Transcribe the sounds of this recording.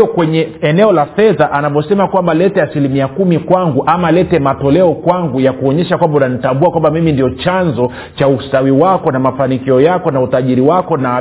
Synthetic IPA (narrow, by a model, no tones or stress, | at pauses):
ɔkwɛɲɛɛnɛɔlafɛðaʔanavɔsɛmakwambalɛtɛasilimiakumikwaŋɡuʔamalɛtɛmatɔlɛɔkwaŋɡujakuɔɲɛʃakwambaunanitambuakwambamimindiɔt͡ʃanzɔ | t͡ʃaustawiwakɔnamafanikiɔjakɔnautaʄiɾiwakɔna